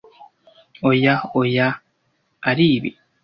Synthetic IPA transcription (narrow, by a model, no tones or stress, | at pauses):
ojaojaː | ɾiːβḭ